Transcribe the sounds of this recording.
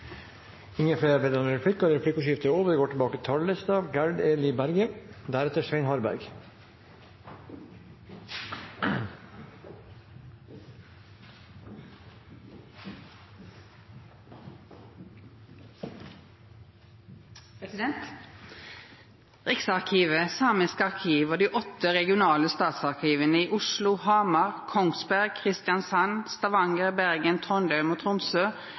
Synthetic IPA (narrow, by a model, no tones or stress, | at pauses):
ɪŋəfleːɾɑʋeːd̪ɑnɾɛpʰɽɪkːɑɾɾɛpʰɽɪkʉʃɪft̪əoːʋəɾɡoːʈʰəbɑːkət̪ʰɑɭːəst̪ɑʋɡæɹɖeːlibæɾɡəd̪æɾɛt̪əʂʋeɪnhɑɾbæ̰ɾɡ | ʁɪksɑʁkʰiːʋəsɑːmɪskɑʁkʰiːʋoːd̪iːʔɔt̪ːəʁɛɡɪʊnɑːləst̪ɑːt̪sɑʁkʰiːʋənəiːʔʊʃlʊhɑːmɑʁkʰɔŋsbæʁɡ̚kʰʁɪst̪jɑnsɑnst̪ɑʋɑŋəʁbæʁɡənt̪ʰɔnd̪œʉmoːt̪ʰʁʊmsøː